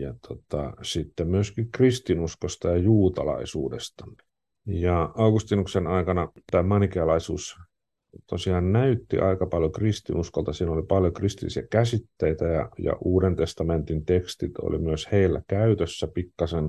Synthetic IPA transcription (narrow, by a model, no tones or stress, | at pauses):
jɑt̪ʰot̪ɑ̰sit̪ːemmyøskikrist̪inuskost̪ɑjɑjuːt̪ɑlɑ̰isuːdḛst̪ɑ̥ | jɑɑukust̪inuksenɑikɑnɑt̪æːmɑnikeɑlɑisuːs | t̪osiɑːnnæyt̪ːḭʔɑikɑpɑljokrist̪ḭnuskolt̪ɑsiːnolipɑljokrist̪ilːisiækæsit̪ːeit̪æjɑ̰jɑ̰ʔuːɾent̪est̪ɑment̪int̪ekst̪it̪o̰lḭmyøsheilːækæyt̪øsːæpikːɑsen